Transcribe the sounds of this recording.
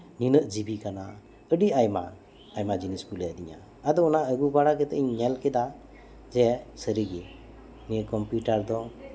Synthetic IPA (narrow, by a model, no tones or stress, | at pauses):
ninəʔd͡ʒibikana | əɖiajma̰ | ajmad͡ʒinisbuljad̪iɲa̰ː | d̪ɔɔnaʔəɡubaɽakɛt̪ɛʔɲɛlkɛd̪a | d͡ʒɛsəɾiɡɛ | niəkɔmpjuʈaɾd̪ɔ